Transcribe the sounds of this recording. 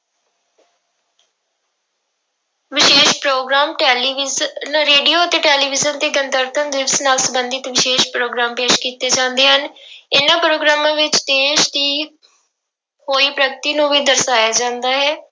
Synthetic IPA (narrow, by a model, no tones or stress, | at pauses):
ʋɪʃeːʃpɾoːɡɾaːmʈɛːliʋnɾeːɖioːət̪eːʈɛːliːʋɪzənt̪eːɡənt̪əɾt̪ʰənd̪ɪʋsnaːlsəbənd̪ɪt̪ʋɪʃeːʃpɾoːɡɾaːmpeːʃkiːt̪eːd͡ʒãːnd̪eːɦənɪnãːpɾoːɡɾaːmãːʋɪt͡ʃd̪eːʃd̪iː | hoːiːpɾəɡt̪iːnũːʋiːd̪əɾsaːjaːd͡ʒãːnd̪aːɦɛː